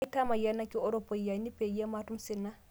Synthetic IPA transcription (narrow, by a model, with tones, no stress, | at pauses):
ta˦ma˨ja˦nːa˦kiɔ˦ɾɔpːɔ˨ja˨ni˦pe˨ja˦ma˦tu˦msi˦nːa˦